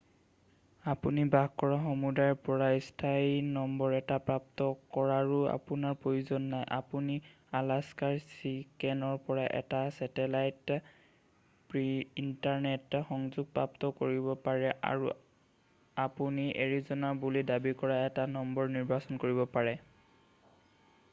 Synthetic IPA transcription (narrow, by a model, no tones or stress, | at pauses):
apunibaxkɔɹaxomudajɹpɔɹaistʰajnɔmbɔɹɛtapɹap̚tɔkɔɹaɹua̰punaɹpɹojuzɔnːajʔa̰puni | alaskaɹsikɛnɔɹpɔɹaʔɛ̰tasɛtɛlajt | pɹiintaɹnɛtxɔŋzuɡ̚pɹaptɔkoɹibɔpaɹɛʔa̰ɹu | apuniʔḛɹizɔnabulidabikɔɹaɛtanɔmbɔɹniɹbasɔnkoɹibɔpaɹɛ